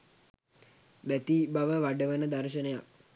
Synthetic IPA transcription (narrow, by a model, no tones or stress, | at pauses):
bæt̪ibaʋəʋaɖəʋənəd̪aɾʃ̬ənəja̰k̚